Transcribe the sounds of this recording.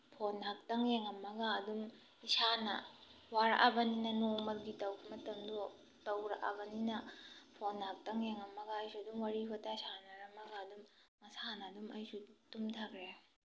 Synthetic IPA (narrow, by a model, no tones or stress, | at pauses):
pʰonɦak̚tɐŋeŋɐmːɐɡaːdum | isanɐ | waɾa̰ʔabɐninɐnomɐt̚ɡitɐwbɐmɐtɐmdɔ | tɐwɾɐʔɐ̰bɐninɐpʰonːhɐk̚tɐŋeŋɐmːɐɡɐːjsuɐdumwaɾibʰɐtaisanɐɾɐmːɐɡaɐdumŋɐsanɐːdumɐjsutumtʰɐkɾe